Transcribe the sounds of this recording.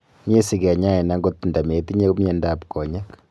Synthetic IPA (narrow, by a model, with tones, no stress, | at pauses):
ɲe˦si˨kɛ˨ɲa˦ɛ˨na˨˦ŋɡo˦t̚pu˨nda˨me˨ti˦ɲe˦ku˦mjɛ˦nda˨pkɔ˨ɲa˦k